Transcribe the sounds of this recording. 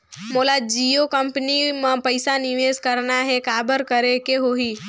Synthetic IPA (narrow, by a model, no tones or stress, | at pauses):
moːlad͡ʒijokəmpənimẽpəɪsanɪʋeːskəɾnaɦɛkaːbəɾkəɾekeɦoɦiː